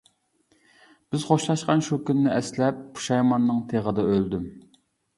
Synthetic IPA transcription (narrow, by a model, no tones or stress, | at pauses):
b̥ɪzχoʃlˠɑʃqɑnʃukʲynːɪʔɛslɛp̚ːʰu̥ʃɑjmɑnːɨŋt̪ʰeʁəd̪ɑøld̪ym